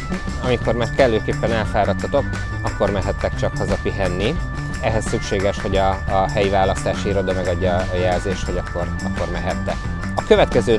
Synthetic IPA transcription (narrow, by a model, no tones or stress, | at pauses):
ɒmiko̞rmaːrkɛlːøːkeːpːɛnɛlfaːɾɒt̪ːɒt̪o̞k | ɒkːo̞rmɛɦɛt̪ːɛkt͡ʃɒkhɒzɒpiɦɛnːi | ɛɦɛssykʃeːɡɛʃho̞ɟɒːɦɛjivaːlɒst̪aːʃiɾo̞d̪ɒmɛɡɒɟːɒːjɛlzeːʃt̪ho̞ɟɒkːo̞r | ɒkːormɛɦɛt̪ːɛ | ɒkøvɛt̪kɛzøː